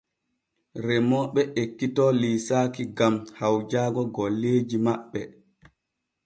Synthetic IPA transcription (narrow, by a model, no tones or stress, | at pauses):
rɛmɔːɓɛʔekːitɔliːsaːkiɡamhawd͡ʒaːɡɔɡɔlːeːd͡ʒimaɓːɛ